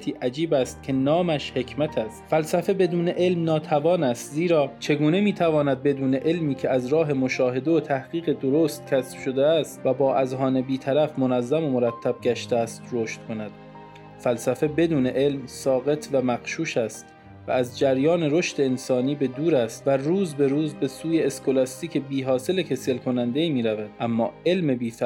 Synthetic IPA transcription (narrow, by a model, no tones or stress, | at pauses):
t̪ʰiːʔæd͡ʒiːbæst̪̚cʰe̞nɒːmæʃhe̞cʰmæt̪ʰæst̪fælsæfe̞be̞d̪uːneʔe̞lmnɒːt̪ʰævɒːnæst̪ziːɾɒːt͡ʃʰe̞ɡuːne̞miːt̪ʰævɒːnæd̪̚be̞d̪uːne̞ʔe̞lmiːcʰe̞æzɾɒːɦe̞mo̞ʃɒːɦe̞d̪e̞ot̪ʰæhɡ̥iːɣe̞d̪oɾoːst̪̚cʲʰæsb̥ʃo̞d̪eæst̪væbɒːʔæzɦɒːne̞biːt̪ʰæɾæfmonæzːæmomoɾæt̪ʰːæb̥̚ɟæʃt̪eæːst̪ɾoːʃt̪̚kʰo̞næd̪̥ | fælsæfe̞be̞d̪uːne̞ʔe̞lmsɒːɣe̞t̪ʰvæmæqʃuːʃæst̪ | væ̰ːzd͡ʒæɾjɒːne̞ɾo̞ʃt̪e̞ensɒːniːbe̞d̪uːɾæst̪væruːzbe̞ɾuːzbe̞suːjeːskʰo̞lɒst̪iːcʰebiːɦɒːse̞lecʰe̞selkʰo̞nænd̪e̞iːmiːɾævæd̪̥ʔæmːɒ̰ːe̞lmebiːf